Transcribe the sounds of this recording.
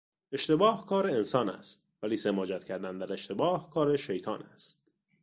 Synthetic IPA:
e̞ʃt̪e̞bɒːhkʰɒːɾe̞ensɒːnæ̰st̪̚væliːsemɒːd͡ʒæt̪̚cʰæɾd̪ænd̪æɾe̞ʃt̪e̞bɒːhkʰɒːɾe̞ʃejt̪ʰɒːnæst̪̚

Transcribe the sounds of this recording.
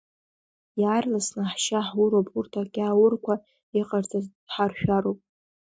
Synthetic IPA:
jaːrlasnɨħʃaħwuʊɾopʼurtʰaɡʲʼaːwʊrkʷʰa | iqʼard͡zʰʼa | ħarʃᶣaɾowpʼ

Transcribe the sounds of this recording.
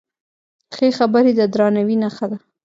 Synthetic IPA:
xexabəɾed̪əd̪ɾɑnawinaxad̪a

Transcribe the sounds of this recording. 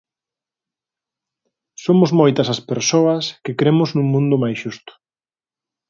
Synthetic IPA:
somʊzmojt̪ɐsɐspeɾsoɐskɪkɾemʊznũŋmũnd̪ʊmajsʃust̪ʊ̥

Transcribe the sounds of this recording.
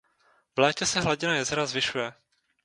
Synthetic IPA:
vlɛːcɛsɛɦlaɟɪnajɛzɛɾazvɪʃujɛ

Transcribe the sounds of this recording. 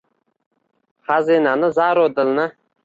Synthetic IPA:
χazinanɪzaɾod̪ɪlnɪ

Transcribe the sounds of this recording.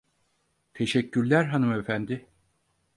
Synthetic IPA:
t̪ʰe̞ʃɛcʰːyɾlʲæɾɦanɯmefænd̪ɪ

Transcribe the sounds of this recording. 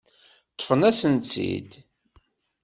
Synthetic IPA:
t̪ˤːə̥fənæsənt͡sḭd̪

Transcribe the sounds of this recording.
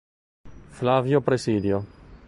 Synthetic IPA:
flavjopɾesiːd̪jo

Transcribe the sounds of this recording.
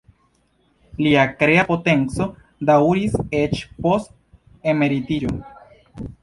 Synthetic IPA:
liakɾe̞apo̞te̞nt͡so̞ | dawɾise̞t͡ʃpo̞st | e̞me̞ɾitiɾo̞

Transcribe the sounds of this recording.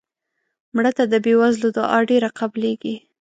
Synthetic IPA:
mɽət̪ad̪əbewazlod̪əʔɑɖeɾaqableɡi

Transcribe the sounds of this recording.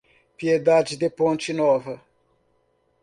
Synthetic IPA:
pied̪ad͡ʒid̪epõnt͡ʃɪnɔvɐ

